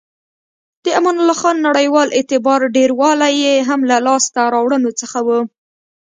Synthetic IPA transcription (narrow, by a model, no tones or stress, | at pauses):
d̪̥əamɑnalɑxɑnːaɽəjwɑlʔet̪ɪbɑɾɖeɾwɑlajeɦamlalɑst̪aɾɑwɽənot͡səxawu